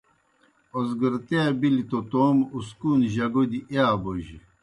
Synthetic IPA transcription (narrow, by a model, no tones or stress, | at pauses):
osɡəɾt̪ebilit̪ot̪omuskuːnʑɐɡod̪iʔaːboʑi